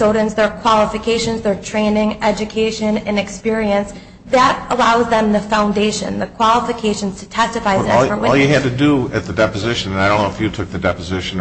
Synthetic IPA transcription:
soʊɾɨ̃nzðə˞kʰw̥ɑlˠəfɨkʰeɪʃɨ̃nzðə˞tʰɹ̥ẽɪ̃nɪ̃ŋɛd͡ʒɨkʰeɪʃɨ̃nɨ̃nɨkspɪɹiɨ̃ns | ðɨɾəlaʊzðə̃mðɨfãʊ̃ndeɪʃɨ̰̃nðɨkʰw̥ɑlˠəfɨkʰeɪʃn̩z̥tʰɨtʰɛstɨfaɪnæə˞wɪɔlˠjɨɨd̚tɨdəɨt̪̚ðɨdɛpɨzɪʃɨ̃ñnaɪdõʊ̃nːoʊɨfjɨtʰʊk̚ðɨdɛpɨzɪʃɨ̃n

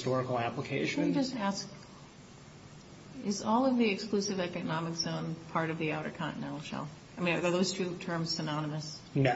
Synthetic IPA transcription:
stɔɹɨkl̩ˠæpləkʰeɪʃɨd͡ʒʌstæsk̚ | ɪzɔlˠʌvðiɨksklʉsɨvɛkɨnɑmɨkz̥õʊ̃npʰɑɹɾʌvðiaʊɾə˞kʰɑ̃nɨ̰nɛ̃ɾ̃l̩ˠʃɛ̰lˠ | aɪmĩnððoʊz̥tʰʉtʰɜ̃˞mz̥sɨnɑnɨmɨs | n

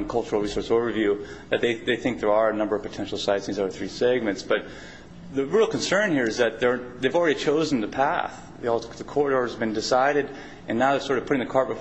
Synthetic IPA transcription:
nkʰʌlˠt͡ʃə˞l̩ˠɹisɔɹsoʊvə˞vjʉðɨt̪̚ðeɪðeɪθɪ̃ŋk̚ðə˞ə˞ɨnʌ̃mbə˞ʌv̥pʰɨtʰɛ̃nʃl̩ˠsaɪɨ̃nsĩzoʊə˞θɹisɛɡ̚mɨ̃ntsb̥ʌt̪̚ | ðɨɹil̩ˠknsɜ̃˞nhiɹɨzðɨt̪̚ðə˞ðeɪvl̩ˠɹɛɾit͡ʃʰoʊzn̩ðɨpʰæ̰θ | ðəkʰɔɹɾɔɹzbɨ̃ndɨsaɪɾɨɾ | ʔɨ̃nːaʊðə̥˞sɔɹɾʌv̥pʰʊɾɪ̃ŋðɨkʰɑɹ̚b̥ɨ

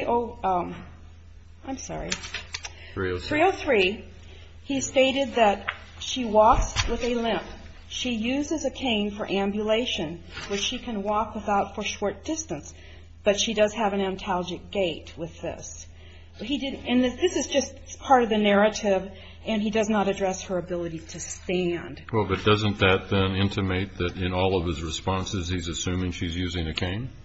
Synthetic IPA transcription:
ʔoʊʌ̃ | ãɪ̃msɑ̰ɹi | θɹioʊθɹi | isteɪɾɨd̪̚ðɨt̚ | ʃiwɔkswəðɨlɪ̃mp | ʃijʉzɨzɨkʰẽɪ̃nfə˞ʔæ̃mbjɨleɪʃɨ̃nwɨt͡ʃʃikʰɨ̃nwɔkwəθaʊtfə˞ʃɔɹt̚d̥ɪstɨ̃ns | b̥ʌtʃidʌz̥ɨvɨ̃næ̃ntʰælˠd͡ʒɨk̚ɡ̥eɪt̚wɨðɪ̰s | hidɪdɨ̃nðɪðɪsɨzd͡ʒʌstpʰɑɹɾʌvðɨnɛɹɨɾɪv | ɨ̃nidʌznəɾɨdɹɛshə˞ɨbɪlˠəɾiɾɨstæ̃nd̥wɛlˠbʌt̚d̥ʌzɨ̃nðɨt̪̚ðɨ̃nɪ̃ntʰɨmeɪt̪̚ðɨɾɪ̃nɔlˠʌv̥ɨzɹɨspɑ̃nsɨz̥izɨsʉ̃mɪ̃ŋʃizjʉzɪ̃ŋɨkʰẽɪ̃n

